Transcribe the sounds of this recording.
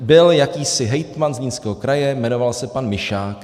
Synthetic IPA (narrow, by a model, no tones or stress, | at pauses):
bɪljakiːsɪɦɛjt̪manzɲiːnskɛːɦokɾajɛmɛno̞valsɛpanmɪʃaːk